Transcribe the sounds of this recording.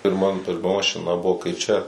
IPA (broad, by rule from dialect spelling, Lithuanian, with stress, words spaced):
pʲɪrˈmɐn pʲɪrˈmɐ mɐʃʲɪˈnɐ ˈbʊʋoː kɐɪ ˈt͡ʃʲɛ